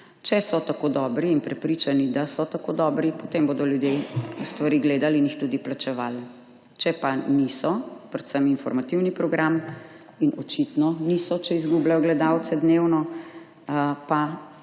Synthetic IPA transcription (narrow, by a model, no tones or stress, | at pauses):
t͡ʃɛsɔt̪akoːd̪ɔbɾiːnpɾɛpɾit͡ʃanid̪asɔt̪akod̪ɔbɾipot̪emboːd̪ɔljud̪jest̪ʋaɾiɡleːd̪alinjixt̪uːd̪iplat͡ʃɛʋaːl | t͡ʃɛpanisɔpɾɛt̪səminfɔɾmat̪iwnipɾɔɡɾam | inɔt͡ʃit̪nɔnisɔt͡ʃɛizɡublajɔɡlɛd̪awt̪sɛd̪newnɔ | pa